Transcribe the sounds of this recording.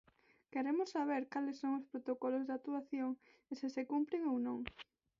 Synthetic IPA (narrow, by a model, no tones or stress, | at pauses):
keɾemʊsːaβ̞eɾkalɪsːoŋospɾot̪okɔlozðat̪uaθjoŋ | esɪsekumpɾɪŋownõŋ